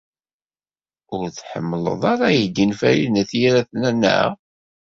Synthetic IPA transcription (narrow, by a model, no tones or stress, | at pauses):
ʊɾθħə̰mːələ̰ðˤɑɾajəɡənfæjinæθjiɾæθnænːə̰ʁ